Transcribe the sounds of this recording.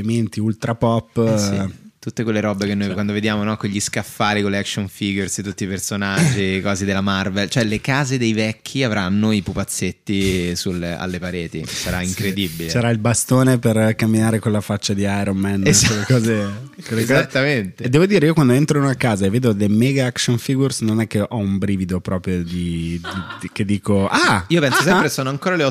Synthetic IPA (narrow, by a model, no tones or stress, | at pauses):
ement̪iult̪ɾapɔpːḭt̪ut̪ːekwelːeɾɔbekenːojkwand̪oved̪jaːmonɔkweʎːiskafːaːɾikolɛkʃonfiɡerset̪ːut̪ːiːpersonad͡ʒd͡ʒːikɔːzed̪elːamarvelt͡ʃoɛlekaːzed̪ejvɛk̟ːiavɾanːoipupat̪sːet̪ːisulea̰lːepaɾeːt̪isaɾaiŋkɾed̪ibilessaɾailbast̪oːneperkamːinaːɾekonlafat͡ʃːad̪iajɾomːɛnwelːekɔːzekwelːekɔat̪ːament̪ed̪ɛːvod̪iːɾeiːokwand̪oent̪ɾonoakaːzaevːeːd̪olemɛɡaakʃonfiɡursnonɛkːeʔɔumbɾiːvid̪opɾɔːpɾjod̪id̪ik̟ed̪ːiːkoʔaiːopɛnsos̬ɛmpɾeksoːnoaŋkoːɾaleɔ